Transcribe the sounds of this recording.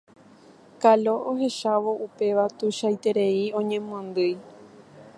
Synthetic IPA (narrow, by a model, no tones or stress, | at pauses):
kalo̞ʔoɦe̞ʃaʋo̞ʔupe̞ʋat̪uʃajt̪e̞ɾe̞iõ̞ɲẽ̞mũãnd̪ɨj